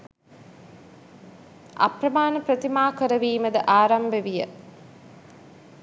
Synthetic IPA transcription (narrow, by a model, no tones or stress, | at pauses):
ʔa̰prɐmaːnəprət̪imaːkəɾəʋiːməd̪əʔaːɾambeʋijə